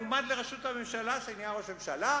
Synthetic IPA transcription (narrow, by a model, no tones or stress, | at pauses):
umad̪leʁeʃut̪amemʃalasajnjaʁosemsala